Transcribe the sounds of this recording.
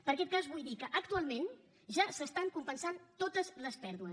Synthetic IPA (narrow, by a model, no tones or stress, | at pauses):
pəɾəkɛt̪̚kazβujðikəʔək̚t̪ualˠmen | ʒasəst̪aŋkumpənsant̪ot̪əzləspɛɾðuə